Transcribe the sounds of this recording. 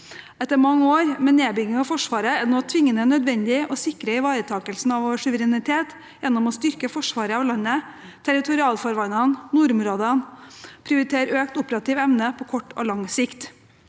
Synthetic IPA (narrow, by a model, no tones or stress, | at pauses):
ɛt̪ːəɾmɑŋːəoːɾmɛːneːbʏɡɪŋɑfɔʂʋɑːɾəɛnoːt̪ʰʋɪŋːənənœd̪ʋɛnd̪ɪʔɔsɪkɾəɪʋɑːɾət̪ʰɑːkəlsn̩ɑʋoːʋʂʉʋəɾɛnɪt̪ʰeːt̪ | jɛnːɔmɔːst̪ʏɾkəfɔʂʋɑːɾəɑːʋlɑnːə | t̪ʰæɾɪt̪ʰʊɾɪɑːlfɔɾʋɑnɑnnuːɾʊmɾoːd̪ənpʰɾɪʊɾɪt̪ʰeːɾøːkt̪ʊpɾɑt̪ɪːʋɛmnəpʰɔːkʰɔʈːo̰ːlɑŋsɪkt̪